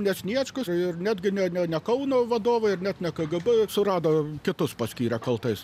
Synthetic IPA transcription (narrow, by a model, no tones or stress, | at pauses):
nʲɛsʲnʲiɛt͡ʃkʊɪrnʲæːd̪ʲɡʲɪnʲɛnʲɛnʲɛkɐʊnoːʋɐd̪oːʋɐɪrnʲæːt̪nʲɛkɐɡɐbʊsʊrɑːd̪oːkʲɪt̪ʊspɐsʲkʲiːɾʲɛkɐlˠt̪ɐɪs